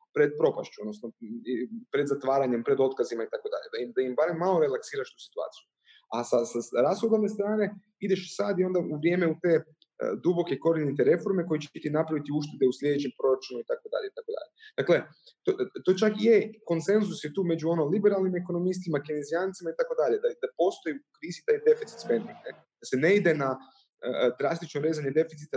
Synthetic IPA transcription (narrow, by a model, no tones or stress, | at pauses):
pɾe̞d̪̚pɾo̞paʃt͡ʃuod̪nosnoipɾe̞d̪zat̪ʋaːɾaɲe̞mpɾe̞d̪o̞t̪̚kazimait̪ako̞d̪a̰ʎed̪aid̪aimbaɾemːalo̞ɾe̞laksiːɾaʃt̪u̥si̥t̪ua̰ːt̪siju | asasaɾasxod̪onest̪ɾaːne̞ | id̪e̞ʃsad̪io̞nd̪aʔuʋɾje̞ːmeut̪e̞̰ː | d̪ubo̞keiko̞ɾd̪init̪e̞ɾe̞fo̞ɾme̞ko̞jet͡ɕet̪inapɾaʋit̪iuʃt̪ed̪euslʎʲe̞d̪et͡ɕempɾo̞ɾat͡ʃunumit̪ako̞d̪a̰ʎeit̪akod̪a̰ʎe̞d̪̥akle̞ | t̪ot̪ot͡ʃakijeko̞nse̞nzusjet̪uːme̞d͡ʒuo̞nolibeɾalnimeko̞no̞mis̬t̪imakinezijaːnt̪simait̪ako̞d̪aʎed̪ad̪apo̞st̪ojukɾiːzit̪aid̪e̞fit̪si̥t̪spend̪iŋɡne | d̪asene̞id̪e̞na | ə̰d̪ɾast̪it͡ʃnoɾeːzaɲe̞d̪e̞fit̪sit̪a